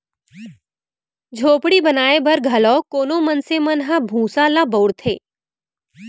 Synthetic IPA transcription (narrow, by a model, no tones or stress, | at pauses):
d͡ʒʱoːpɽibənaːebʱəɾɡʱɐlɔːkoːnomənsemənɦãbʱũːsalabəʊɽt̪ʰeː